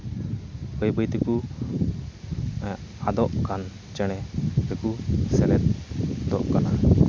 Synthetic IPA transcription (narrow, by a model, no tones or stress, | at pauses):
bəjbəjt̪ɛku | ad̪ɔʔkan | t͡ʃɛɽ̃ɛt̪ɛkusɛlɛt̪̚d̪ɔʔkana